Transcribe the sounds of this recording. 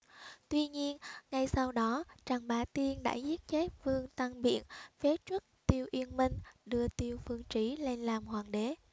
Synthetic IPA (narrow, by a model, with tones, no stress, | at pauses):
t̪wi˧ɲi˧ənŋa˧jsa˧wɗɔ˨˦t͡ɕa˨˩ŋɓaː˨˦t̪i˧ənɗa̰ː˧˥zi˦˥t̚t͡ɕe˦˥t̚fɨ˧əŋt̪a˧ŋɓḭ˧˨ənfe˨˦t͡ɕwə˦˥t̚t̪i˧əwʔi˧ənmï˧ŋ̟ɗɨ˧ət̪i˧əwfɨ˧əŋt͡ɕi˧˩le˧nlaː˨˩mhwaː˨˩ŋɗe˨˦